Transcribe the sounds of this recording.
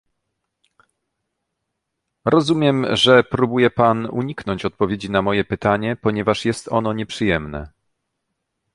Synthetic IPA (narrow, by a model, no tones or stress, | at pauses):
ɾɔzumʲjɛmʐɛpɾubujɛpanṵɲiknɔɲt͡ɕɔt̪̚pɔvʲjed͡ʑinamɔjɛpɘt̪aɲɛpɔɲɛvaʂjɛst̪ɔnɔɲɛpʂɘjɛmnɛ̰